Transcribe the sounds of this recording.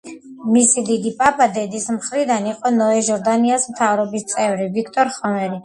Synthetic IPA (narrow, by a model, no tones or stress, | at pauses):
misid̪id̪ipʼapʼad̪ɛd̪ismχɾid̪aniqʼɔnɔɛʒɔɾd̪aniasmt̪ʰavɾɔbist̪sʼɛvɾivikʰt̪ʼɔɾχɔmɛɾi